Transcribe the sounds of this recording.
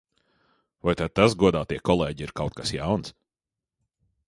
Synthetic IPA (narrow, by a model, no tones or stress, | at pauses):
vajt̪ad̪̚t̪asɡuɔd̪aːt̪iɛkɔlˠɛːɟiiɾkawt̪̚kasjawns